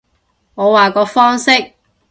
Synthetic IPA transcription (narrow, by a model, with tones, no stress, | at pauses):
ŋɔː˨˧waː˨˩kɔː˨˧fɔː˥ŋsɪ˥k̚